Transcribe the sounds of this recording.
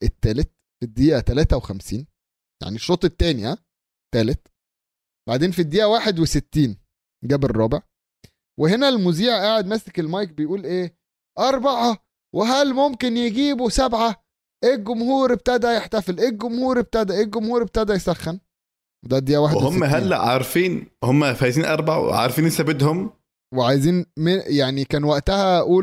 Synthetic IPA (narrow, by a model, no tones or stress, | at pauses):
ʔet̪ːæːlet̪̚ | fid̪ːiːʔæt̪ælæːt̪æwexæmsḭːn | ja̰ʕniʃːoːt̪ˤet̪ːæːnjæ̰ | t̪ːæːlet̪ | b̥aʕd̪eːnfid̪ːiːʔæwaːħed̪weset̪ːiːn | ɡæːberˤːɑːbeʕ | wehenælmuziːʕʔaːʕed̪mæsekelmɑjk̚bejʔuːlʔeː | ʔɑɾˤbɑʕɑ | weɦælmomkenjeɡiːbosæbʕa | ʔeːɡʊmhuːɾeb̚t̪æd̪æjeħt̪æfelʔeːɡomhuːɾeb̚t̪æd̪æʔeːɡomhuːɾeb̚t̪æd̪æjsæxːæn | wed̪æd̪ijæwaːħd̪ehomːæɦælːæ̰ʕɑ̰ɾˤfiːnhomːæfæjz̬iːnʔɑ̰ɾˤbɑʕ̰ʕɑ̰ɾˤfiːnʔesæbed̪hom | weʕajziːnmejaʕnikæːnwæʔt̪æhæʔuːl